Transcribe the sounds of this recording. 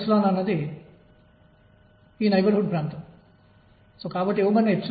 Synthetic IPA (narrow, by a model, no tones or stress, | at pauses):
sɐloːnɐnːɐd̪i | iːnɐjbɐɾɦoɖ̚pɾaːnt̪ɐm | soːkaːbɐʈːieʋumɐnːɐeps